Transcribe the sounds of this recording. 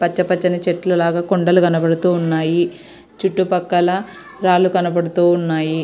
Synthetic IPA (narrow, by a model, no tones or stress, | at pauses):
pɐt͡ʃːɐpɐt͡ʃːɐnɐt͡ʃeʈːlɐlaːɡaːkoɳɖɐlukɐnɐbɐɽut̪uːnːaːji | t͡ʃuʈːupɐkːɐlɐ | ɾaːlukɐnɐbɐɽut̪uːnːaːji